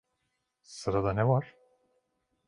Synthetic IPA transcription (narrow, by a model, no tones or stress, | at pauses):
sɯɾad̪anɛvaɾ̥